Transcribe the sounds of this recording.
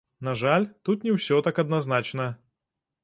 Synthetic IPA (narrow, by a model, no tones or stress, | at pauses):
nɐʐalʲt̪ut̪nʲɪwsʲɔt̪akɐd̪nɐznat͡ʃnə